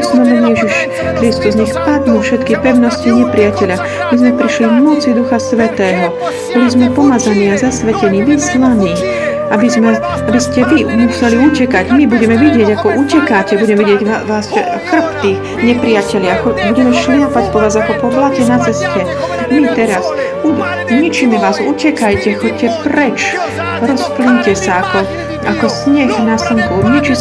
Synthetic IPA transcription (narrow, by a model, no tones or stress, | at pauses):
smɛbɔd̪ijɛʒiʃ | kɾist̪uzɲɛxpad̪ɲufʃɛt̪kipɛʊnɔsciɲɛpɾɪacɛʎa | mizmɛpɾiʃlivmɔt͡sid̪uxasʋɛt̪ɛːɦɔ | b̥ɔlizmɛpɔmad͡zaniːazasʋɛcɛniːʋislaniː | abizmɛ | abiscɛʋimusɛliucɛkaɟmibuɟɛmɛʋiɟɪɛɟakɔʔucɛkacɛbuɟɛmɛʋiɟɪɛɟaʋaːs | xr̩pt̪iː | ɲɛpɾɪjacɛʎɪaxɔbuɟɛmɛʃlɪapacpɔʋaːzakɔpɔplacɛnat͡sɛscɛ | mit̪ɛɾas | u | ɲit͡ʃimɛʋaːzucɛkajcɛxɔc̚cːɛpɾɛt͡ʃ | ɾɔspliɲcɛsaakɔ | akɔsɲɛxnasiŋkɔʊɲit͡ʃi